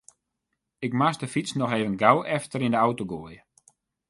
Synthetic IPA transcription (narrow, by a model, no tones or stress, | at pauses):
ɪkmasdəfit͡snɔxeːvənɡawʔɛftəɾindəawtoɡoəjə